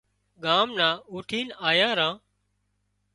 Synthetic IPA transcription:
ɠaːmnãːuːʈʰiːnaːjãːɾãː

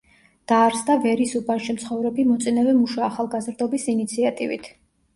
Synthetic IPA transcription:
d̪̥aːɾsd̪avɛɾisubanʃimt̪sʰχɔvɾɛbimɔt̪sʼinɛvɛmuʃaːχalˠɡazɾd̪ɔbisinit̪sʰiat̪ʼivḭt̪ʰ

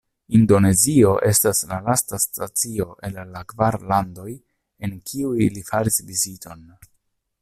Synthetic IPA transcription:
indo̞ne̞zio̞ʔe̞staslalastastat͡sio̞ʔe̞lːakvaɾlando̞j | e̞ŋkʰiujlifaɾisvizito̞n

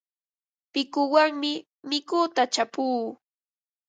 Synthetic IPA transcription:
pɪkʊwaŋmɪ | mɪkʊt̪at͡ʃapuː

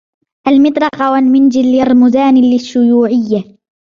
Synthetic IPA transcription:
ʔalmɪt̪ˤɾˤɑqɑwalmɪnd͡ʒɪlːɪɾˤmʊzaːnlɪʃːʊjuːʕɪjːa

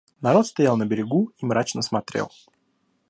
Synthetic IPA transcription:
nɐɾo̞t̪st̪ɐjalˠnəbʲɪɾʲɪɡuimɾat͡ɕnəsmɐt̪ɾʲḛlˠ

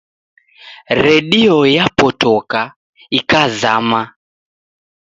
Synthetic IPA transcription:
ɾɛɗiɔjapɔtɔka | ikazama

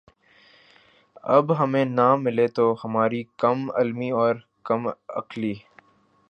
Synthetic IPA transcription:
ɐ̰bɦɐmẽnamɪlet̪ohɐmaːɾikɐmɐ̰lmiɔːɾ | kɐmɐ̰kliː

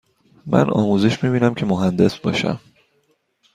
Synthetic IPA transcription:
mʔæ̰nʔɒ̰ːmuːze̞ʃmiːbiːnæmcʰe̞moɦænd̪e̞sbɒ̰ːʃæ̰m

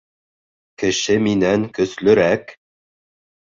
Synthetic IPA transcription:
kɘ̆ʃɘminæŋkɵ̆slɵ̆ɾæk

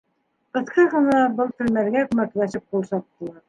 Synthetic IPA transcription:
qɤ̆θqɑʁɤ̆nɑbɤlˠt̪ɵ̆lmæɾɡækʉmæklæʃɘp̚qulˠsɑt̚t̪ːɤ̆lˠɑɾ

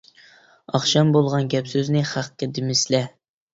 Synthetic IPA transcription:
ɑχʃɑmbolˠʁɑnɡʲɛpsyznɪχæqːʲɛd̪ɪmɪslɛ

